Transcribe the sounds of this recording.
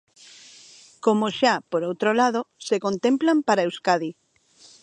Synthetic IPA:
komoʃapoɾowt̪ɾolaðosekont̪ẽmplampaɾaewskaði

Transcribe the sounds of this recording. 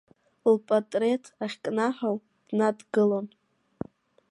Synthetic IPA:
lpʼatʼre̞tʰaχʲkʼnaħʷᶣaw | d̥nadɡɨlon

